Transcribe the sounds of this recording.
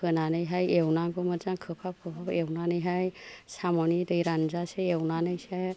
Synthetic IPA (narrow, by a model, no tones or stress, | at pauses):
kʰɯnanɯjɦajewnaɡɯmɯɾzaŋkʰɯpʰap̚kʰɯpʰapewnanɯjɦajsamɔnidɯjɾanzaseewnanɯjsa